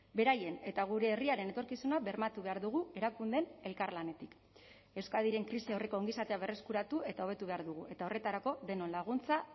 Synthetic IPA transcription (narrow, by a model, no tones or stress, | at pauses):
be̞ɾaje̞ne̞t̪aɣ̞uɾe̞ːriaɾe̞ne̞t̪o̞ɾkisunabe̞ɾmat̪uβe̞aɾðuɣ̞ue̞ɾakund̪e̞ne̞lkarlane̞t̪ik | e̞wskaðiɾe̞ŋkɾisio̞re̞koːŋɡisat̪e̞aβe̞re̞skuɾat̪ue̞t̪ao̞βe̞t̪uβe̞aɾðuɣuʔe̞t̪ao̞re̞t̪aɾako̞ðe̞no̞nlaɣ̞unt͡sa